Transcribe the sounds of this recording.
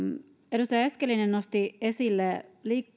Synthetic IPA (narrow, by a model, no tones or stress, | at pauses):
eɾust̪ɑjɑeskelːinennost̪iesilːeliːk